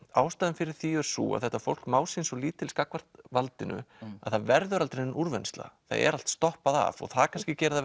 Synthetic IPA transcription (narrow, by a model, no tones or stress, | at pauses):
aːwst̪aːðɪmfɪɾɪɾ̥θiɛɾ̥sṵːa̰ðθɛht̪ːafowl̥kmaːwsinsɔliːt̪ʰːɪlskakvar̥t̪valt̪ɪnʔʏ̰a̰ðθaðvɛɾðʏɾalt̪ɾenʔuɾvɛnst̪la̰θa̰ðɛ̰ɾal̥t̪st̪ɔhpaða̰vɔ̰ɣθaðkʰanscɪcɛːɾða